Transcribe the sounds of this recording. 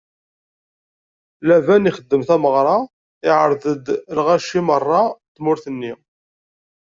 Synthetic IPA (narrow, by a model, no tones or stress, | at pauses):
lævæniχəd̪ːəmθæməʁɾˤɑ | ɪʕəɾˤðəd̪lʁæʃimərˤːɑt̪mʊɾθənːi